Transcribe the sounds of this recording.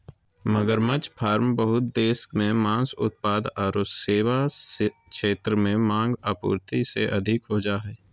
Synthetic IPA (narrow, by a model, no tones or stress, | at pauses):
məɡəɾmət͡ʃpʰaːɾmbəɦʊt̪̚d̪eːskmẽmãːsʊ̰t̪̚paːd̪ɔːɾseːʋa | ʃeːt̪ɾəmẽmãːŋɡaːpṵːɾt̪iseʔɐd̪ʱɪkɦod͡ʒaːɦɛː